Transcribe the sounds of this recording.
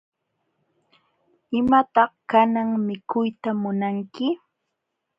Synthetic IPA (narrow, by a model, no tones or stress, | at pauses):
ɪmat̪ɑχkanaŋmɪkʊjt̪amʊnaŋkɪ